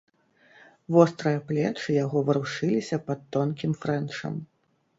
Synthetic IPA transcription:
vɔst̪ɾɐjɐplʲɛt͡ʂɨjaɣɔvɨɾuʂɨlʲisʲɐpɐt̪ːɔnkʲimfɾɛnʂɐ̰m

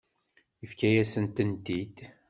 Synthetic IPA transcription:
jəfkæjæsənt̪ənt̪id̪

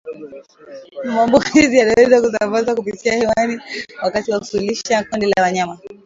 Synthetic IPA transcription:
mambukizijanaɛzakus̬ambazwakupitiahiwaniwakatiwakusuliʃakɔndɛlawaɲama

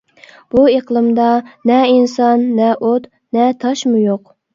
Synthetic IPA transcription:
b̥ueqlˠɨmd̪ɑnɛinsɑnːɛʔot̪ | nɛt̪ʰɑʃmujoq̚

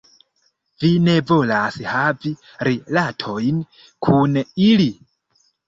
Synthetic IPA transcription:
vine̞vo̞lashavi | ɾilatʰo̞jn | kʰunili

